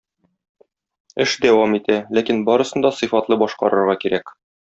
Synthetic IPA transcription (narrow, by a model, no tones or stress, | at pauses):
ɘʃd̪æwɑmit̪ælækinbɒɾɤ̆sɤ̆nd̪ɒsɨ̆fɑt̪lˠɤbɒʃqɑ̰ɾɤ̆ɾʁɑkiɾæk